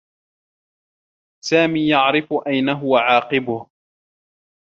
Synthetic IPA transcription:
saːmiːjaʕɾɪfʊʔajnaɦʊwaʕɑːqɪbʊh

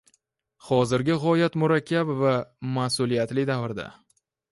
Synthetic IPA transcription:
χɒzɪɾɡʲɪʁɒjat̪mʊɾakʲːabvamasʊlijat̪lɪd̪avɾd̪a̰

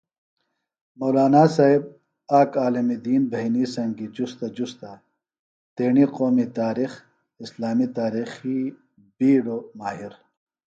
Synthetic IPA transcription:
moːlaːnasaːib̚ | aːkaːlɐmid̪iːnbʱɐinisɐ̃ŋɡid͡ʑust̪ad͡ʑust̪a | t̪eːɳiqoːmit̪aːɾix | ɪslaːmit̪aːɾiːxi | biːɽoːmaːɦiɾ

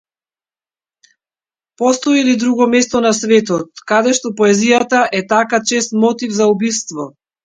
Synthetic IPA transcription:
pɔst̪ɔilid̪ɾuɡɔmɛst̪ɔnasvɛt̪ɔt̪̚kad̪ɛʃt̪ɔpɔɛzijat̪aʔɛt̪akat͡ʃɛst̪mɔt̪ivzaubist̪vɔ

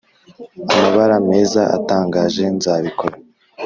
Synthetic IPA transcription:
amaβaɾame̞ːzaʔa̰taːŋɡaːʒe̞nzaːβikʰo̞ɾa

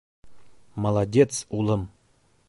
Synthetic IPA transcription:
məlˠadʲet̪sulˠɤm

